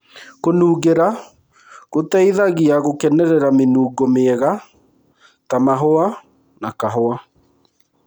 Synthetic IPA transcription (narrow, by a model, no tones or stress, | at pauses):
konuːɣeɾa | ɣotɛiðaɣiaɣokɛnɛɾɛɾamenuːɡomeɛɣa | tamaɦoa | nakaɦoa